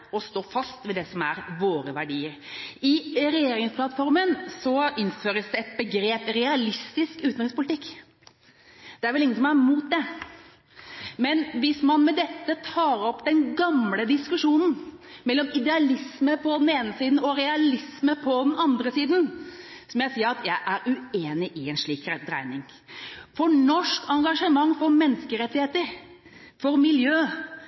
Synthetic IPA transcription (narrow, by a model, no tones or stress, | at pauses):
ɔst̪oːfɑst̪ʋɛd̪ɛsɔmæɾʋoːɾəʋæɖiːəɾɪɾɛjeːɾɪŋspʰlɑt̪fɔɾmənsɔɪnføːɾəsd̪ɛɛt̪bəɡɾeːpɾɛɑlɪst̪ɪskʉːt̪nɾɪŋspʊlɪt̪ɪkː | d̪̥ɛæɾʋɛlɪŋənsɔmæɾmuːt̪̚d̪ɛ | mɛnʋɪsmɑnmɛd̪ɛt̪ːət̪ʰɑːɾɔpːd̪ɛnɡɑmləd̪ɪskʉʂuːnn̩ | mɛlːɔmɪd̪ɛɑlɪsməpʰɔd̪ɛneːnəsiːd̪n̩ɔɾɛɑlɪsməpʰɔd̪ɛnɑnd̪ɾəsiːd̪n̩sɔmɔjæɪsiːəɾɑt̪ʰjæɪʔæɾʉeːnɪʔɪɛnʂɭiːkɾɛd̪ɾæ̰ɪnɪŋ | fɔɳɔʂkɑŋɡɑʂəmɑŋːfɔɾmɛnːəskəɾɛt̪ːɪheːt̪əɾ | fɔɾmɪljøː